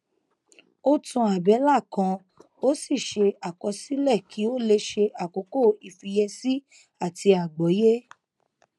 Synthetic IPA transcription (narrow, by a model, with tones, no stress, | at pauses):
o˦tũ˧a˨bɛ˨˦la˦˨kã˧ | o˦si˦˨ʃe˧a˨kɔ˧si˦lɛ˦˨kʰi˨˦o˦le˧ʃe˧ʔa˨ko˨˦ko˦˨i˨fi˧je˧si˦ | a˦˨ti˧a˨ɡ͡bɔ˨˦je˦